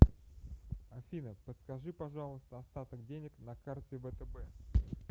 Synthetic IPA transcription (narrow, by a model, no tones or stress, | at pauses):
ɐfʲinəpət̪skɐʐɨpɐʐɑlˠəst̪əɐst̪at̪əɡdʲenʲɪknɐkart̪ʲɪvət̪əbɛ